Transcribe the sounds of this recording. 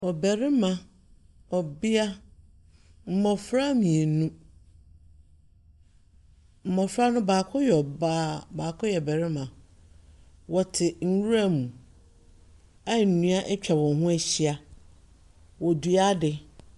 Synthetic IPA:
ɔ˨bɛ˨ɾɪ˦mã˨ | ɔ˨bɪ˦a˦ | m̩˦˨mɔ̃˨fɾa˦mĩ˨e˨˦nũ˦ | m̩˨mɔ̃˨fɾa˦nʊ̃˦baː˨kʰʊ˦jɛ˨ɔ˨baː˦baː˨kʰʊ˦jɛ˨bɛ˨ɾɪ˦mã˨ | wɔ˨tʰɪ˨ŋ̩˨wu˦ɾa˦˨mũ˨ | a˦˨n̩˨nũ˦a˦ʔɛ˦t͡ɕᶣʰa˨wɔ̃˨ɦʊ̃˦æ˨ɕi˦a˦ | wɔ˨du˨a˦dɪ˨

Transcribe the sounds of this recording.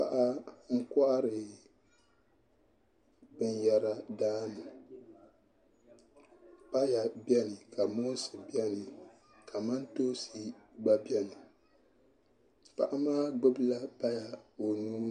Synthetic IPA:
pa̰˨ʔa˦ŋ̩˦ka˦ʔa˦ɾɨ˨ | bɨ˦n˦jɛ˦ɾa˦daː˦nɨ˨ | pa˦ja˨bjɛ˦nɨ˨ka˨mo˦sɨ˨bɛ˦nɨ˨ | kʰa˨ma˦ntoː˦si˦ɡ͡ba˦bjɛ˦nɨ˨ | pa̰˨ʔa˦maː˦ɡ͡bɨ˦bla˦pa˦ja˨o˨nuː˦

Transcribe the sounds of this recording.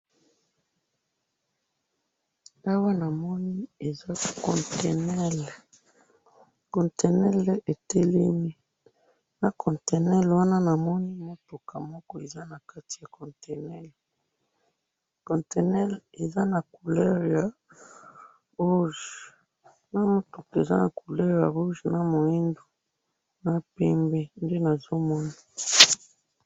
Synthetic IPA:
a˦wa˦na˨mɔ˦ni˦e˨za˦kɔ˨nte˨nɛ˦l | kɔ̃˨nte˨nɛ˦lʔe˨te˦le˦mi˦ | na˨kʰɔ̃˨nte˨nɛ˦lwa˦na˦na˨mɔ˦ni˦mo˦to˨kʰa˨mɔ˦kɔ˦e˨za˦na˨ka˦ti˨ja˨kɔ̃˨nte˨nɛ˦l | kɔ̃˨nte˨nɛ˦le˨za˦na˨ku˨lɛ˦ʁja˨ | ʁu˦ʒ | na˦mo˦to˨ka˨e˨za̰˦na˨ku˨lɛ˦ʁja̰˨ʁu˦ʒna˦mo˨i˦ndo˨ | na˨pɛ˦mbe˦nde˦na˨zo˦mɔ˦nii˦

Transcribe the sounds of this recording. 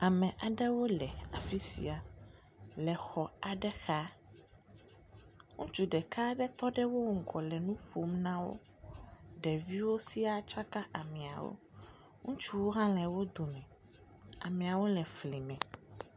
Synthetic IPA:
a˨mɛ̃˨ʔa˨ɖɛ˦wo˦lɛ˨a˨fi˦sḭ˨a˨ | lɛ˨xɔ˨a˨ɖɛ˦xa˦ | ŋũ˦t͡ʃu˦ɖɛ˨ka˦ɖɛ˦t̪ɔ˦ɖɛ˦wo˦ŋ̩˨kɔ˨lɛ˨nũ˦ɸo˨˦mnã˦wo̰˦ | ɖɛ˨vi˦wo˦si˦a˦t͡ʃa˦ka˦ʔa˨mɛ̃˨a̰˨wo̰˦ | ŋũ˦t͡ʃu˦wo˦ɦã˦lɛ̃˨wo˦d̪o˨mɛ̃˨ | a̰˨mɛ̃˨a˨wo˦lɛ˨fli˨mɛ̃˨

